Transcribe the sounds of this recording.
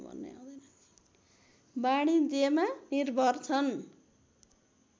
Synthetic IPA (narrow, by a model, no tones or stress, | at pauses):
bʱʌ̰nːḛɦa̰d͡zʌn | baɽid͡zemanirbʱʌrt͡sʰʌn